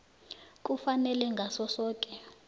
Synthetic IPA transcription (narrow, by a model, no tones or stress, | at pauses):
k̬ʼufanɛlɛŋɡʱasɔsɔːkʼɛ